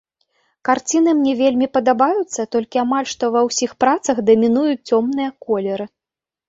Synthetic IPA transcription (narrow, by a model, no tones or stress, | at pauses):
kart͡sʲinɨmnʲɛvʲelʲmʲipɐd̪abajut̪sːɐt̪ɔlʲkʲiamalʲʂt̪ɔvɐwsʲixpɾat̪sɐxd̪ɐmʲinujut͡sʲt͡sʲɔmnɨjɐkɔlʲɛɾɨ